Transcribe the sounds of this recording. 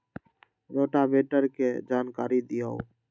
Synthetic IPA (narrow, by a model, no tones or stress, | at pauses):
ɾoːʈaːbeːʈəɾkeːd͡ʒaːnkaːɾid̪ɪjao̰